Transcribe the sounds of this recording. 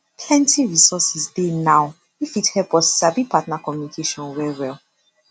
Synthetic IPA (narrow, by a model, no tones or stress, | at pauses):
pʰlɛ̃ntiɹisɔsɛsdenaʊ | ifithɛpɔssabipʰatnakɔmjunikʰeʃɔ̃nwɛwɛl